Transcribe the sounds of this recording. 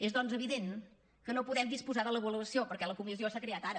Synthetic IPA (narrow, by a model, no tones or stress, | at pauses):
ezðɔnzəβ̞iðen | kənopuðɛmd̪ispuzaðələβəluəsiopəɾkɛləkumiziosakɾeat̪aɾə